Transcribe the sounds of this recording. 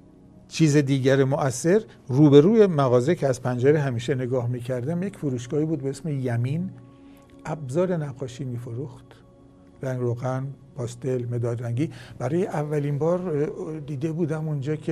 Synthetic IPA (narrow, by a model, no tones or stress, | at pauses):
t͡ʃʰiːzed̪iːɟæɾemoʔæsːe̞ɾ | ruːbeɾuːjemæɣɒːzecʰeæzpʰænd͡ʒæɾeɦæmiːʃene̞ɡɒːhmiːcʰæɾd̪æmjecfuɾuːʃɡɒːiːbuːd̪beesmejæmiːn | ʔæbzɒːɾe̞næɡːɒːʃiːmiːfoɾuxt̪ | ɾæŋɡɾoɣæn | pʰɒːst̪e̞lmed̪ɒːlɾæŋɡiːb̥æɾɒːjeʔævːæliːnbɒːɾd̪iːd̪e̞buːd̪æmund͡ʒɒːkʰe